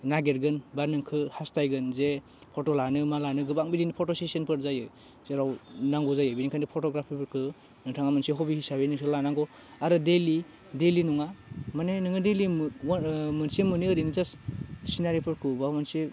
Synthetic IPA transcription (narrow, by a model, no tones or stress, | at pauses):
naɡeɾɡɯnbanɯŋkʰɯhastajɡɯnze | pʰotolanɯmalanɯɡɯbaŋbidinipʰotosesenpʰɯɾzajɯ | zeɾawnaŋɡɔzajɯbinikʰandipʰotɔɡɾapʰipʰɯɾkʰɯ | nɯŋtʰaŋamɯnseɦɔbihisabenɯŋsɯlanaŋɡɔ | aɾɯdeli | delinuŋamanenɯŋɯdeli | mɯnsemɯniɯɾinizassinaɾipʰɯɾkʰɯbamanse